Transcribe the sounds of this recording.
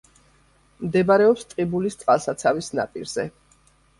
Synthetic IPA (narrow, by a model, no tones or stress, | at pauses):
md̪ɛbaɾɛɔpst̪ʼqʼibulist̪sʼqʼalˠsat̪sʰavisna̰pʼḭɾz̥ɛ̰